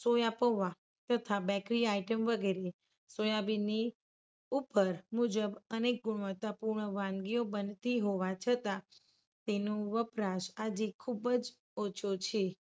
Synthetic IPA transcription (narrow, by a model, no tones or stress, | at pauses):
sojapoʋa | t̪ət̪ʰabɛkɾiaiʈəmʋəɡeɾe | sojabini | upəɾmud͡ʒəbənek̚ɡʊɳ̃ʋət̪apuɾɳəʋãnɡiobənt̪iɦoʋat͡ʃʰət̪a | t̪enoʋəpɾaʃad͡ʒekʰubəd͡ʒ | ot͡ʃʰot͡ʃʰe